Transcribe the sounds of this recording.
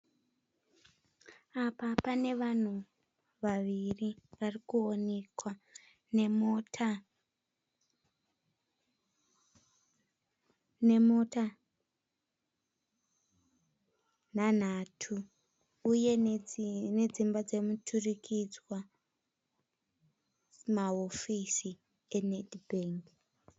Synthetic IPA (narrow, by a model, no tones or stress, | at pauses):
apapane̞ʋan̤u | ʋaʋiriʋarikuone̞kwa | nemotʰa | nemota | nan̤atʰuː | je̞ | ned͡zimbad͡ze̞mutʰurikʰid͡zwa | maofisi | enedbeːŋɡ